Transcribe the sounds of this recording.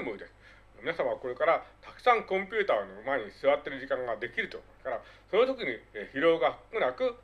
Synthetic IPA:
moid̪e̞sɨ̥ | mʲinasamaβako̞ɾe̞kaɾat̪ḁkɯ̟̥sãŋkõmpʲɨːt̪aːno̞maeɲ̟isɨβat̪ːe̞ɾɯ̟ʑikãŋɡad̪e̞kʲiɾɯ̟t̪ookaɾa | so̞not̪o̞kʲiɲ̟içiɾo̞ːɡakɯ̟nakɯ̟

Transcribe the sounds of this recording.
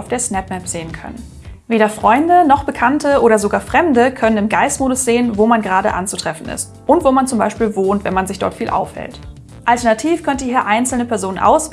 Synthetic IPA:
ʊfd̥eːɐsnɛpmɛpz̥eːənkʰœ̰nən | veːɾɐfʁ̥ɔʏndənɔχb̥əkʰantʰəʔoːɾɐzoɡaːɐfʁ̥ɛmdəkʰœnənɪmɡaɪstmoːdʊsz̥eːənvoːmanɡəʁaːɾə̰ʔa̰nt͡sutʁ̥ɛfn̩ɪ̰st | ʔʊntv̥oːmant͡sʊmbaɪʃpiːlvoːntv̥ɛnmanzɪçd̥ɔ̰ɐtfiːlʔa̰ʊfhɛ̰lt | ʔaltɛɐnatʰiːfkʰœntəhiːɐʔaɪnt͡sl̩nəpʰɛɐzoːnənʔa̰ʊs

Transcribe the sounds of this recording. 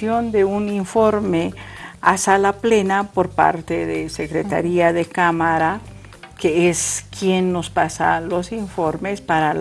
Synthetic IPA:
ond̪euniɱfo̞ɾmea̰salaple̞napo̞ɾpa̰ɾt̪eðese̞kɾet̪a̰ɾiaðekamaɾa | keeskjenːo̞spasa̰lo̞siɱfo̞ɾme̞spaɾal

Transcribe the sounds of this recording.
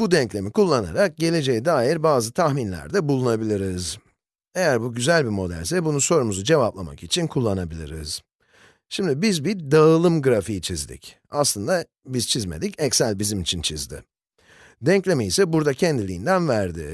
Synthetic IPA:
bud̪ɛɲclʲe̞mikulˠːana̰ɾak̚ɟe̞lʲe̞d͡ʒejid̪aːjiɾbaːzɯt̪ʰaxminlʲæ̰ɾd̪ɛbulˠunabilʲiɾiz | e̞jæɾbuɟyzælʲbimo̞d̪æ̰lʲs̬ɛbunuso̞ɾumuzud͡ʒe̞vaplˠa̰ma̰kit͡ʃʰinkʰulˠːanabilʲḭɾḭz̥ | ʃimd̪ibizbiɾd̪aɯlˠɯmɡɯɾafijit͡ʃʰizd̪ḭc | aslˠɯnd̪a | bizt͡ʃʰizme̞̰d̪icɛcsælʲbizimit͡ʃʰint͡ʃʰizd̪ɪ̰ | d̪ɛɲclʲe̞miisɛbuɾd̪acʰɛnd̪ilʲiːnd̪ænvæɾd̪ɪ̰

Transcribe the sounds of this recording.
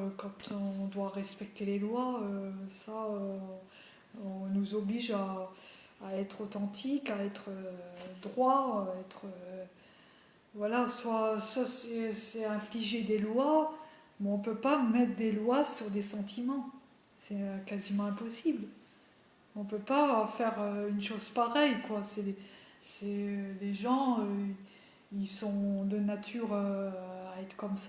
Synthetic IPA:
kɑ̃t̪ɔ̃ɔ̃d̪waʁɛspɛk̚t̪elelwaøsaø | ɔ̃nuzɔbliʒaː | ɛt̪χot̪ɑ̃t̪ikaɛt̪χød̪ʁwaɛt̪χə | vwalaswaswasɛsɛɛ̃fliʒed̪elwa | mɛɔ̃pøpamɛt̪χd̪elwasyʁd̪esɑ̃t̪ʰimɑ̃ | sɛkazimɑ̃ɛ̃pɔsibl | ɔ̃pøpafɛʁøynʃozpaʁɛjkwasɛe | sɛleʒɑ̃ø | ilsɔ̃d̪ənat̪ʰyʁøaɛt̪χkɔmsa

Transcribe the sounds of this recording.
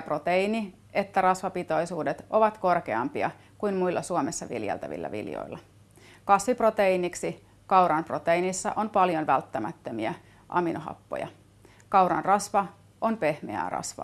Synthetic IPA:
pro̞t̪eini | ʔe̞t̪ːærɑsʋɑpit̪o̞isuːdet̪ʔo̞ʋɑt̪ko̞rkeɑ̰mpiɑ̰ | kujnmujlːɑsuomesːɑʋḭljḛlt̪æ̰ʋḭlːæ̰ʋḭljo̰ilːɑ | kɑsʋipro̞t̪einiksi | kɑwɾɑnpro̞t̪einisːɑ̰ʔonpɑljonʋælt̪ːæmæt̪ːømiæ | ʔɑ̰minoɦɑ̰pːo̰jɑ̰ | kɑwɾɑ̰nrɑsʋɑ | ʔonpe̞hmḛæ̰ːrɑ̰sʋɑ̰

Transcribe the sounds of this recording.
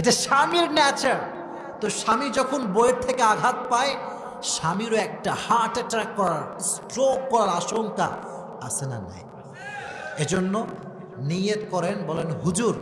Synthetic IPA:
eʈaʃamiɾnɛt͡ɕaɾ | t̪oʃamid͡ʑɔkʰonbojeɾt̪ʰekeaɡʱat̪̚pae | ʃamiɾoɛk̚ʈahaʈeʈɾakːɔɾaɾsʈɾokːɔɾaɾaʃoŋka̰ | asʰena̰na̰j | ed͡ʑonːo | niet̪kɔɾenbɔlenɦud͡ʑuɾ

